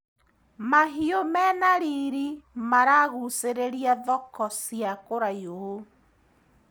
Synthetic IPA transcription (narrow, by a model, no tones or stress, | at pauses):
maɦiɔmɛnaɾiːɾimaɾaɣuseɾeɾiaðɔkɔsiakoɾajoo